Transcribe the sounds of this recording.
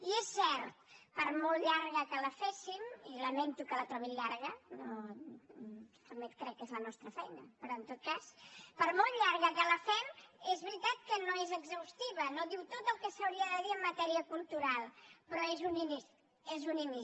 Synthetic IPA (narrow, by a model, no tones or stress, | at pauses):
iesːɛɾt̪̚pəɾmolˠʎaɾɣəkələfesimiləmɛnt̪ukələt̪ɾɔβiʎaɾɣ̞əno | spəmɛt̪̚kɾɛkːezlənɔst̪ɾəfɛjnəpɾɔənt̪ot̪̚kaspəɾmolˠʎaɾɣəkələfɛmezβɾit̪at̪̚kənoezəɡzəwst̪iβ̞ənoðiwt̪ot̪əlˠkəsəwɾiəðəðiəmːət̪ɛɾiəkulˠt̪uɾalˠpɾɔezunini | ezunimi